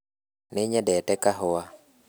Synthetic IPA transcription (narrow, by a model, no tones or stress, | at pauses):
nɪɲɛdɛtɛkaɦʊwa